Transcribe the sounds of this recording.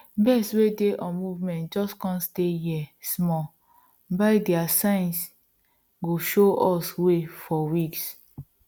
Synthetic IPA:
bɛswedeʔɔmuvmɛ̃nt̚d͡ʒɔskɔ̃nstejiɛsmɔ | baɪdiasãɪ̃ns | ɡoʃoɔswefɔwiks

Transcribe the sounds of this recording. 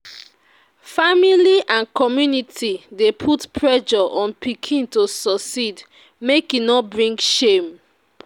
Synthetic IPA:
familiʔãnkʰɔmjunitʰidepʰutpʰɹɛʃɔʔɔ̃npikʰĩntosɔsid | mekinɔbɹĩŋɡʃem

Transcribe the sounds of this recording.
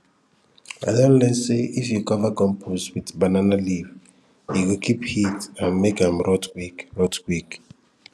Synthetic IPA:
a̰danlɛnseʔifjukɔvaɡɔ̃mpʰuswitbananaliv | iɡikʰiphitãnmekãmɾɔtkwikɾɔtkwik

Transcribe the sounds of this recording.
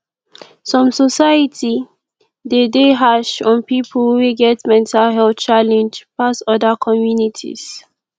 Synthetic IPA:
sɹɔ̃msɔsaɪjəti | dedeɦaʃɔ̃npipʰəlweɡɛtmɛ̃ntʰalɦɛlθt͡ʃalɛ̃nd͡ʒpasɔdəkʰɔmjunitʰḭz̥

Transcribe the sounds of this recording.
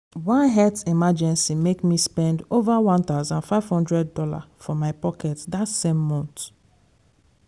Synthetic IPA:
wãnɦɛtimad͡ʒɛ̃nsimekmispɛ̃ndovawãnt̪aʊzãnfaɪv̥hɔ̃ndɹɛd̚ːɔla̰fɔmaɪpɔkɛtdatsẽmːɔ̃nt

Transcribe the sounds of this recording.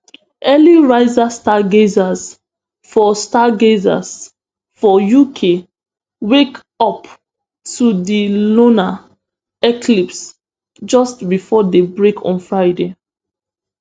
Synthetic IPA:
ʔɛliɹaɪzastaɡezas | fɔstaɡeza̰s | fɔjukʰe | wek | ɔp | tudilona | ɛklips | d͡ʒɔstbifɔdebɹekʰɔ̰̃nfɹaɪde

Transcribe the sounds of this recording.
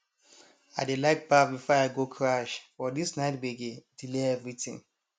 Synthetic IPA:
adelaɪk̚bafbifɔaɪɡokʰɹaʃfɔdisnaɪtbeɡedileɛvɹitḭ̃ŋ

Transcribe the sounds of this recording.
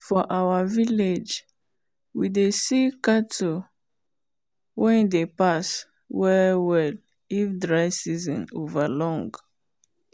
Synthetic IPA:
fɔʔawaviled͡ʒ | widesikato | wɛ̃ndepas | wɛwɛl | ifdɹaɪsizɔ̰̃novalɔ̃ŋɡ

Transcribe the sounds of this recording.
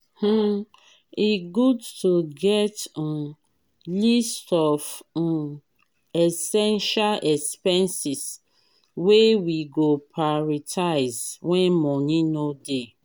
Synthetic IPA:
h̩ | iɡudtuɡɛt | listɔv | ɛsɛ̃nʃalʔɛkspɛ̃nsis | wewiɡopʰaɔɹitʰaɪzwɛ̃nmɔnĩnode

